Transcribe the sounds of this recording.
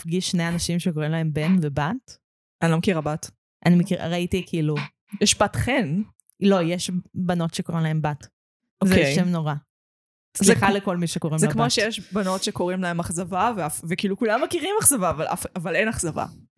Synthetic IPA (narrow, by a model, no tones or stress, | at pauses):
fɡiʃʃnejanaʃimʃekoʁimlae̞mbe̞nvebat | anilomekiʁabat | ʔanimekiʁa̰ʁaitikiilu | jɛʃbatχen | lo̞jeʃbano̞tʃekoʁimlae̞mbat | ozeʃemnoʁa | zɛaleko̞lmiʃekoʁimlɛakmoʃejɛʃbano̞tʃekoʁimlaemaχzavaveafvekiːlukulamːekiʁimaχzavavalʔa̰favalenaχzava̰